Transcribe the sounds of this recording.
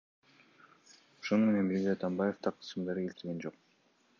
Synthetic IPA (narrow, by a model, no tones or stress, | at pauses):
oʃo̞nume̞ne̞nmiɾɡʲizɑt̪ɑmbaje̞ft̪ɑqʰɯ̥sɯmd̪ɑɾɯe̞lt̪iɾɡe̞nd͡ʒo̞q